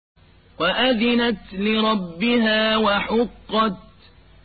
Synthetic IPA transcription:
waʔaðɪnat̪lɪɾˤɑbːɪhaːwaħʊqːɑt̪̚

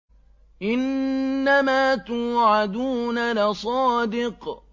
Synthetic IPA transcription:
ʔɪnːamaːt̪uːʕad̪uːnalɪsˤɑːd̪ɪq

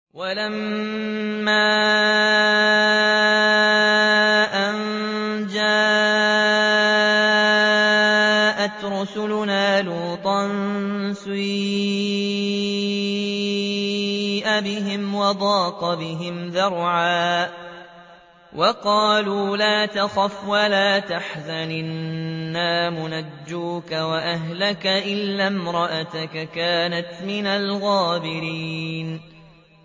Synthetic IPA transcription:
walamː | aː | ʔand͡ʒaː | ʔat̪ɾˤʊsʊlʊnaːluːt̪ˤɑnsi | ʔabɪɦɪmwɑd̪ˤɑːqɑbɪɦɪmðɑɾˤʕaː | wʔɑqɑːluːlaːt̪axafwalaːt̪aħzanɪnːaːmʊnad͡ʒːuːkawaʔaɦlakaʔɪlːamɾˤɑʔat̪akakaːnat̪mɪnalɣɑːbɪɾiːn

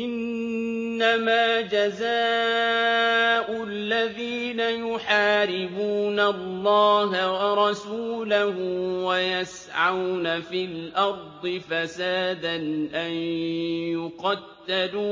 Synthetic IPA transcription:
ʔɪnː | amaːd͡ʒazaː | ʔʊ | lːaðiːnajʊħaːɾɪbuːnalːɑːɦawɑɾˤɑsuːlahʊwajas | ʕawnafilʔɑɾˤd̪ˤɨfasaːd̪anʔanjjʊqɑt̪ːad̪uː

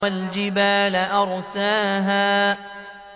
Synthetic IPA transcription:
ald͡ʒɪbaːlaʔɑɾˤsaːɦaː

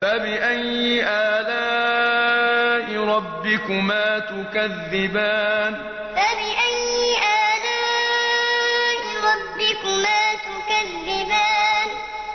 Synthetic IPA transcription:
fabɪʔajːɪʔaːlaː | ʔɪɾˤɑbːɪkʊmaːt̪ʊkaðːɪbaːn | fabɪʔajːɪʔaːlaː | ʔɪɾˤɑbːɪkʊmaːt̪ʊkaðːɪbaːn

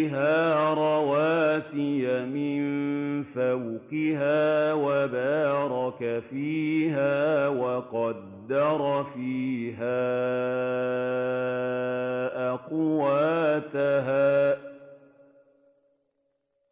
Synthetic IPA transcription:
ɦaːɾˤɑwaːsɪjamɪnfawqɪɦaːwabaːɾˤɑkafiːɦaːwɑqɑd̪ːɑɾˤfiːɦaː | ʔaqʊwaːt̪aɦaː

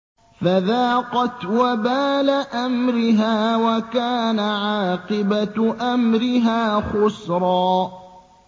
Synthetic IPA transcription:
faðaːqɑt̪wabaːlaʔamɾɪɦaːwakaːnaʕɑːqɨbat̪ʔamɾɪɦaːxʊsɾˤɑː

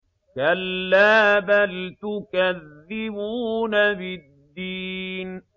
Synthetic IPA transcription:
kalːaːbalt̪ʊkaðːɪbuːnabɪd̪ːiːn

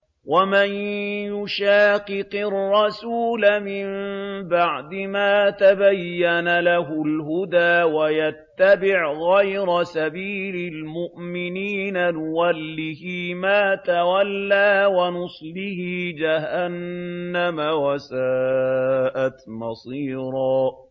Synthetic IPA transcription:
wamanjʊʃaːqɨqɪrːɑsuːlamɪmbaʕd̪ɪmaːt̪abajːanalaɦʊlɦʊd̪aːwajat̪ːabɪʕɣajɾasabiːlɪlmʊʔmɪniːnanʊwalːɪhimaːt̪awalːaːwanʊsˤlɪhɪd͡ʒaɦanːamawasaː | ʔat̪mɑsˤiːɾˤɑː

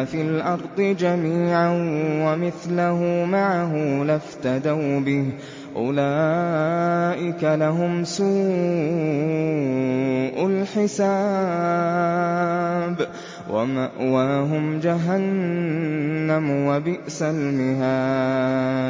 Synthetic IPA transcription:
filʔɑɾˤd̪ˤɨd͡ʒamiːʕanwamɪθlaɦumaʕaɦʊlaft̪ad̪awbɪh | ʔʊlaː | ʔɪkalaɦʊmsuː | ʔʊlħɪsaː | b | waɦʊmd͡ʒaɦan | amwabɪʔsalmɪɦaː

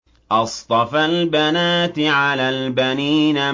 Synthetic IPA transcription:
ʔɑsˤt̪ˤɑfalbanaːt̪ʕalaːlbaniːna

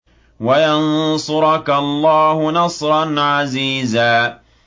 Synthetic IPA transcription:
wajansʊɾɑkalˤːɑːhʊnɑsˤɾˤɑnʕaziːzaː

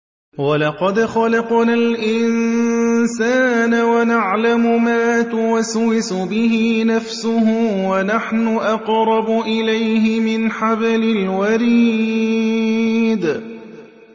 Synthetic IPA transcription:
walɑqɑd̪xɑlɑqnalʔɪn | saːnawanaʕlamʊmaːt̪ʊwaswɪsʊbɪɦɪnafsʊɦʊwanaħnʊʔɑqɾˤɑbʊʔɪlajɦɪmɪnħabalɪlwaɾi | d̪

